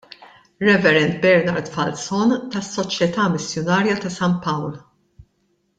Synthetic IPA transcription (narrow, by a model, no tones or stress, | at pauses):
ɾɛvɛɾɛnt̪bɛɾnɐɾd̪fɐlsɔnt̪ɐsːɔt͡ʃjɛt̪ɐːmɪsjɔnɐːɾjɐt̪ɐsɐnt̪̚pɐwl